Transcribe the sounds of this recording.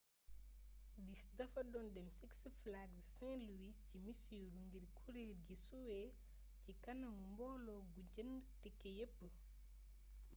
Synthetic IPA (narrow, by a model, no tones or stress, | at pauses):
disdɐfɐdɔndɛmsiksəflaɡssɛ̃luwiscimisuɾuŋɡiɾkʰuɾiːɾɡisuwɛ | cikɐnɐŋumbɔːlɔɡuɟəndtikːejəpːə